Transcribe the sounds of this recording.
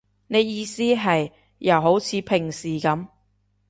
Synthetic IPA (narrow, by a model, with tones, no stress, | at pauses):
ne˨˧jjiː˧siː˥ɦɐ˨j | jɐ˨˩wɦo˨˥wt͡sʰiː˨˧pʰɪ˨˩ŋsiː˨˩kɐ˨˥m